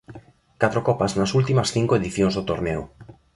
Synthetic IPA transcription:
kat̪ɾokɔpaznasult̪imasθiŋkoeðiθjonzðot̪oɾneo̰

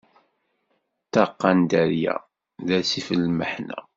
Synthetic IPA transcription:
t̪ɑqːɑnd̪æɾjæ̰ | ðæsifəlːməħnæ̰

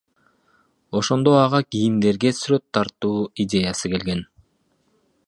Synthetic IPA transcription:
o̞ʃo̞nd̪o̞ɑʁɑɡijind̪e̞ɾɡe̞syɾø̞t̪ʰːɑɾt̪uːidʲe̞jɑsɯke̞lɡe̞n

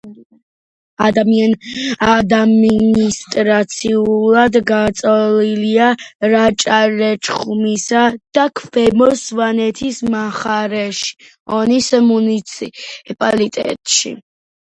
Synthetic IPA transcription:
ad̪amianad̪minist̪ʼɾat̪sʰiulˠad̪ɡat̪sʼɔliliaɾat͡ʃʼaɾɛt͡ʃʼχumisad̪̥akʰvɛmɔsvanɛt̪ʰismaχaɾɛʃi̥ | ɔnisɛmunisʰpʼalit̪ʼɛ̰t̪ʼʃḭ

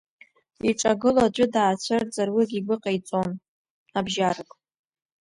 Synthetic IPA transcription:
iʈ͡ʂʼaɡɨlad͡ʒʷʼʊdaːt͡ɕʷʰɨrd͡zʼarwiɡʲiɡʷɨqʼajt͡sʼon | abʒarakʼ

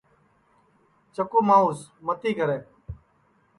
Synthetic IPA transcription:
t͡ʃəkuːmaːuːsmət̪iːkəɾeː

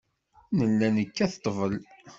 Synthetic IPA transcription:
nəlːænəkːæθt̪ˤːvəl

